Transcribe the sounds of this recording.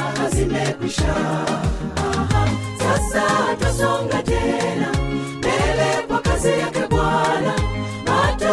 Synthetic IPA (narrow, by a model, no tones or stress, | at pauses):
azinɛkwiʃa | sasatasɔŋɡatɛna | mbɛlɛkwakazɛjakɛkwala | mata